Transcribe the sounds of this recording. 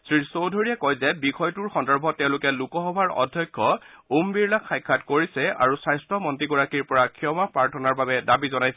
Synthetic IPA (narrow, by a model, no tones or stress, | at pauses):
sɹisowdʱoɹijakɔjzɛbixɔjtuɹxɔndɔɹbʱɔtːɛʊ̃lʊkɛlukɔxɔbʱaɹɔ̰dʱjɔjkʰːɔumbiɹlakxajkʰːatkoɹisɛa̰ɹusajstʰɔmɔntɹiɡɔɹakiɹpɔɹakʰijɔmapɹaɹtʰɔnaɹbabɛdabizɔnajsɛ